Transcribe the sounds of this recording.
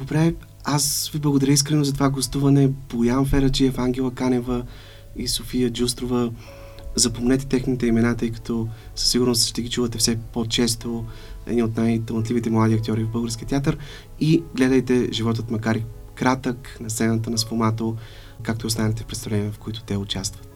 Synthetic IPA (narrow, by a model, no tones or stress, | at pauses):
d̪obɾɛ | asviblˠəɡoʊd̪ɐɾəis̬kɾɛnoʊzɐt̪ovaɡost̪uvɐnɛbojavəmfɛɾət͡ʃiɛfaŋɡʲɛlˠəkanɛvə | isofijəd͡ʒust̪ɾovə | zɐpomnɛt̪ɛ̥t̪ɛxnit̪ɛimɛnat̪ɤjkɐ̥t̪ɔ | sə̥sːiɡʊɾnost̪ʃt̪ɛɡʲit͡ʃuvət̪ɛfsɛpot͡ʃɛst̪oɛ̰d̪niot̪najt̪əlˠnət̪lʲivit̪ɛmlˠad̪iɐkt̪jɔɾivvbɤlˠɡəɾskʲiət̪ʲat̪̬əɾ | iɡlɛd̪əjt̪ɛʒivɔt̪̬ət̪mɐkaɾi | kɾat̪əknɐst̪sɛnət̪ənɐsfomat̪o | kakt̪oʊst̪anɛt̪ɛfpɾɛt̪st̪ɐvlɛniɛvfkoit̪ʊ̥t̪ɛʊt͡ʃast̪və̥t̪